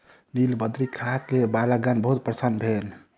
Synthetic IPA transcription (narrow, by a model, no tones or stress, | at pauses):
nilbəd̪ɾikʰakebalaɡanbəɦut̪̚pɾəsanbʱel